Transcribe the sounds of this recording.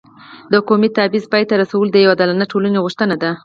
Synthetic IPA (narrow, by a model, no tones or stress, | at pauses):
d̪əkomit̪abizpɑjt̪aɾasawəld̪əjawad̪alanaʈolaneɣuʂt̪ənad̪a